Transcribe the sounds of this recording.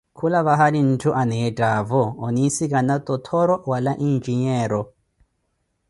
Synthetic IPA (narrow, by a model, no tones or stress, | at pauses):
kʰulaβaɦalin̩tʰuʔanɛɛtʼavɔːnisikʼanat̪ʼɔt̪ʰɔɾɔwalaʔind͡ʒiɲɛːɾɔ